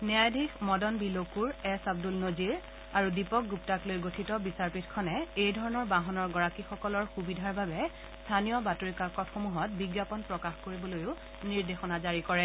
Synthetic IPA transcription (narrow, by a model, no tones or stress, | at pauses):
niajdʱixmɔdɔnbilokuɹɛsab̚dulnoziɹ | aɹudipɔk̚ɡup̚taklojɡotʰitɔbisaɹpitkʰɔnɛejdʱɔɹɔnɔɹbaɦɔnɔɹɡɔɹakixɔkɔlɔɹxubidʱaɹbʱabɛ | stʰanijɔbatoɹikaɹkɔtxomuɦɔt̚biɡjapɔnpɹɔkaxkoɹibɔlojʊ | niɹdexɔnazaɹikɔɹɛ